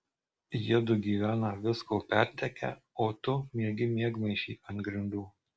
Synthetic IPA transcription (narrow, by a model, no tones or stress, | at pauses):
jiɛd̪ʊɡʲiːʋʲæːnɐʋʲɪskoːpʲæˑɾʲt̪ʲɛkʲæ̰ | oːt̪ʊmʲiɛɡʲɪmʲiɛɡmɐɪʃʲḭːʔɐnt̪ɡɾʲɪnd̪uː